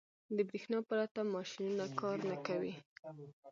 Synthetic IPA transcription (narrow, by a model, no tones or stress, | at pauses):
d̪əbɾixnɑpəɾat̪amɑʃinunakɑɾnakawi